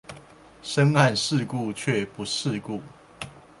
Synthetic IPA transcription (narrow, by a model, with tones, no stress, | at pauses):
ʂə˦ŋa˥˨nʂɻ̩˥˨ku˥˨t͡ɕʰɥɛ˥˨pu˨˦ʂɻ̩˥˨ku˥˨